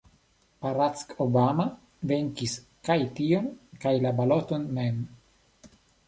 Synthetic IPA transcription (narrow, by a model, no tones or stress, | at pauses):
paɾat̪t͡skobama | veŋkis | kajt̪ionkajlabalot̪onmem